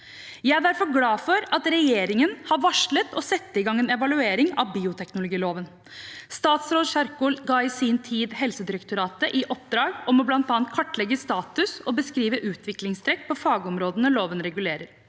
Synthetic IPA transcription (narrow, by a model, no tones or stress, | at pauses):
jæɪæɖ̪æɾfɔɾɡlɑːfɔɾɑt̪ɾɛjeːɾɪŋənhɑɾʋɑʂɭət̪ɔsɛt̪ːəɪɡɑŋːɛːnɛʋɑlʉeːɾɪŋɑʋbiːʊt̪ʰɛknʊlʊɡiːloːʋən | st̪ɑːt̪sɾoːd̪ʂɑɾkʊlɡɑːɪsint̪ʰiːd̪ɦɛlsəd̪ɪɾɛkt̪ʊɾɑːt̪əʔɪʔɔpd̪ɾɑːɡɔmɔblɑnt̪ɑːɑnt̪̚kʰɔʈːlɛɡːəst̪ɑːt̪ʉsɔbəskɾiːʋəʔʉːt̪ʰʋɪklɪŋst̪ʰɾɛkːpʰɔfɑːɡəɔmɾoːd̪ənəloːʋənɾɛɡʉleːɾəɾ